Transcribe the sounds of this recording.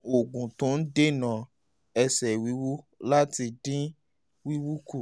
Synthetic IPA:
o˨ɡũ˨tũ˨˦n̩˦de˦nã˨ | ɛ˧sɛ˨wi˨˦wu˦ | la˦ti˧dĩ˦ | wi˦wu˦ku˦˨

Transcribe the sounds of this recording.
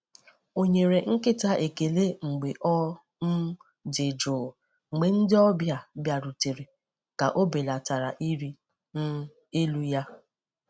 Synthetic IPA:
o˨ɲe˨ɾe˨ŋ̩˦kɪ˦ta˦ʔe˨ke˨le˦ŋ͡m̩˨ɡ͡be˨ʔɔ˦ | n̩˦ | dɪ˨d͡ʒʊː˨ | ɡ͡be˨n̩˦dɪ˦ɔ˦bja˨bja˨ɾu˨te˨ɾe˨ | ka˨ʔo˦be˨la˨ta˨ɾa̰˨ʔi˦ɾi˦ | e˦lu˦ja˦

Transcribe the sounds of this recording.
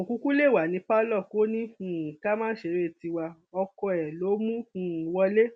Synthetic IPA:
o˨kũ˧ku˦le˦˨wa˨nĩ˨˧pa˦lɔ˦˨ko˦nĩ˦ũ˨ka˦mãː˦ʃe˧˦ɾe˦˨ti˧wa˧ | ɔ˧kɔ˧ɛ˨lo˨˦mũ˦ũ˨wɔ˧le˦

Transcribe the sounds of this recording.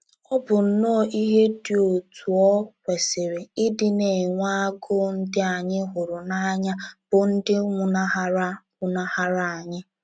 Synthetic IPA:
ɔ˦bʊ˨n̩˨nɔ˦˨ʔi˦ɦe˦dɪ˨o˨tʰu˨ɔ˦kʷe˨sɪ˨ɾe˨ɪ˦dɪ˦ne˨ŋʷa˦ɡʊ˦n̩˦dɪ˦a˨ɲɪ˦ɦʊ˨ɾʊ˨na˦ɲa˦b̥ʊ˨n̩˦dɪ˦ŋʷʊ˨na˦ɦa˦ɾa˦ŋʷʊ˨na˦ha˦ɾa˨a˨ɲɪ˦

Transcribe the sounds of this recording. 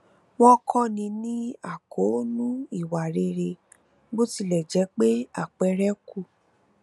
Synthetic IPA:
w̃ɔ̃˦kʰɔ̃˦nĩ˧nĩ˦a˦˨ko˨˦nũ˦i˦˨wa˨ɾe˧ɾe˧ | ɡ͡bo˦ti˦˨lɛ˨d͡ʒɛ˨˦k͡pe˦a˦˨k͡pɛ˨˧ɾɛ˦kʰu˦˨

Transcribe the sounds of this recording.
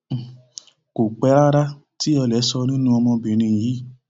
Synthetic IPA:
ko˨k͡pɛ˨˦ɾa˦ɾa˦ | ti˦ɔ˧lɛ˨˦sɔ˧nĩ˦nũ˦ɔ˧mɔ̃˧be˨ɾ̃ĩ˧˨ji˨˦

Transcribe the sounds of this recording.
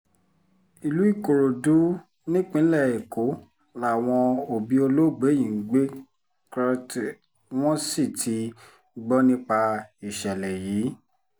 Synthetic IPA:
i˨lu˨˦i˦˨ko˨ɾo˨du˨˦ | nĩ˦k͡pĩ˦lɛ˦˨e˨ko˨˦ | la˨w̃ɔ̃˧o˨bi˨˦o˧lo˦˨ɡ͡be˨˦jĩ˨˦ɡ͡be˦ | kɾa˧t | w̃ɔ̃˦si˦˨tʰi˨˦ | ɡ͡bɔ˦nĩ˦k͡pa˧i˨ʃɛ˨lɛ˨jiː˨˦

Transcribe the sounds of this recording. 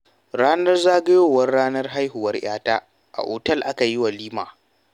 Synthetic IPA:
ɽaː˦nɐ˦rzaː˦ɡɐ˦joː˦˨wɐ˦rɽaː˦nɐ˦rɦa˦jɦʊ˨wɐ˦rj̰ʲaː˦taː˦ | ʔa̰˨ʔoː˨tɐ˦lʔa˦ka˨jɪ˦wa˨liː˦maː˨

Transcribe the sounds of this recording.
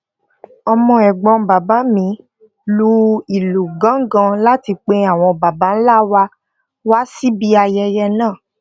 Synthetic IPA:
ɔ˧mɔ̃˧ɛ˨ɡ͡bɔ̃˨˧ba˨ba˨˦mĩ˨˦ | lu˦i˨lu˨ɡã˨˦ŋ̩˦ɡã˧la˦ti˧k͡pe˧a˦˨w̃ɔ̃˧ba˨ba˨˦n̩˦la˦wa˧ | wa˦si˦bi˦a˧jɛ˧jɛ˧nãː˦˨

